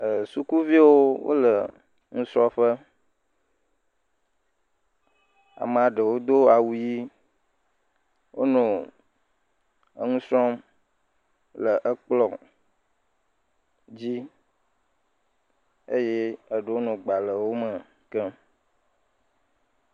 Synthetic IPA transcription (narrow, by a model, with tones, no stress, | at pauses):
ə˨su˦ku˦vi˦wo˦wo̰˦lə˨ | ŋũ˦sɾɔ̃˦ɸə˦ | a̰˨mə̃˨a˨ɖə˨wo˦d̪o˦a˨wu˨ji˦ | wo˦nɔ̃˨ | ə̰˦ŋũ˦sɾɔ˦m | lə˨ʔə˦k͡plɔ˨ | d͡ʑi˦ | e˦je˦ə˨ɖə˦wo˦nɔ̃˨ɡ͡ba˨lə˨wo˦mə˨ | kə˦